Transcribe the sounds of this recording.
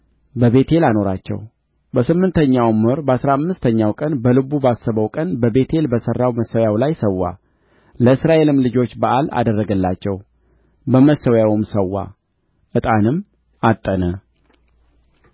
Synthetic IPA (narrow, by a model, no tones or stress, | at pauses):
bəβe̞t̪ʰe̞lano̞ɾat͡ʃːɛ̰w | bəsɨmːɨnt̪ʰəɲːawməɾbəasɾaamːɨst̪ʰəɲːawkʼənbəlɨbubasəβəwkʼənbəbe̞t̪ʰe̞lbəsərːawməsːəwjawlajsəwːa̰ | ləɨsɾaʔe̞lɨmlɨd͡ʒo̞t͡ʃːbaʔala̰d̪ərːəɡəlːat͡ʃːɛw | bəməsːəwjawɨmsəwːa̰ | ʔɨt̪ʼanɨm | at̪ʼːənə